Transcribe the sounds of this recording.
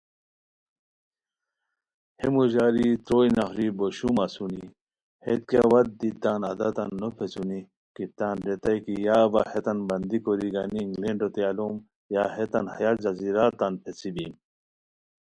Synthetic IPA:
hemuʑaːɾit̪ɾojnɐxɾiboɕumasuni | het̪̚kawɐt̪̚d̪it̪aːnɐ̰d̪at̪anːopʰet͡suni | kit̪aːnɾet̪ajkijaːba̰het̪ɐnbɐnd̪ikoɾiɡaniŋɡleɳɖot̪ealom | jaɦet̪ɐnhɐjaːt̪zɐziɾaːt̪anpʰet͡sibim

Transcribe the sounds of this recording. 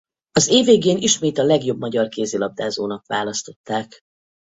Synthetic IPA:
ɒzeːveːɡeːniʃmeːt̪ɒlɛɡjo̞bmɒɟɒrkeːziːlɒb̚d̪aːzoːnɒkʋaːlɒst̪o̞t̪ːaːk

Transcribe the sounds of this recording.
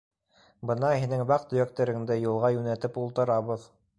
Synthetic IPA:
bɤnɑhinɘŋbɑqt̪ɵ̆jæk̚t̪æɾɘ̆ŋd̪ɘjulˠʁɑjʉnæt̪ɘpulˠt̪ɤ̆ɾɑβɤð

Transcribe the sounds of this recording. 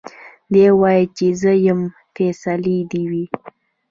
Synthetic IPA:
d̪ewɑjet͡ʃezəjəm | fesalid̪iwi

